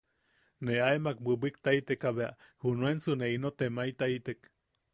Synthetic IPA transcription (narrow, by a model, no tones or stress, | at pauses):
neaemak̚bɨbik̚t̪ait̪ekaβeaʔhunuensɨneinot̪emait̪ait̪ek